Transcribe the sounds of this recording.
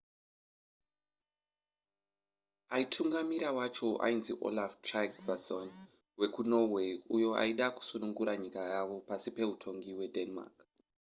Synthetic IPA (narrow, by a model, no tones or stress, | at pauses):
aitʰuŋɡamiɾawat͡ʃo̞ʔa̰inzḭʔo̰laftrakvason | we̞kuno̞we̞ujo̞a̰iɗaku̥sunuŋɡuɾaɲikajaʋo̞pasipe̞utʰo̞ŋɡiwe̞denma̰k